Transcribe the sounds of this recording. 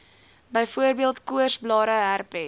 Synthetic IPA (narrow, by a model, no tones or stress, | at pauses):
bəjfuərbiəlˠtkuərsblɑːɾəɦærpɛ